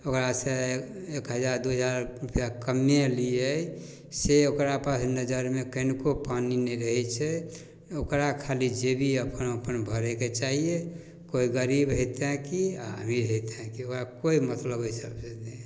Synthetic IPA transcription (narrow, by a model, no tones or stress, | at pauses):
okɾaseekɦəd͡ʒaɾd̪uɦəd͡ʒaɾɾupjakəmjẽliəj | seokɾapasnəd͡ʒəɾmekənkopaninɛɾəɦɛt͡ʃʰɛ | okɾakʰalid͡ʒebʱiəpənəpənbʱəɾɛket͡ʃaɦie | koiɡəɾibɦet̪ɛ̃kiaə̰miɾɦet̪ẽkiokɾakoimət̪ləbisəbsed̪e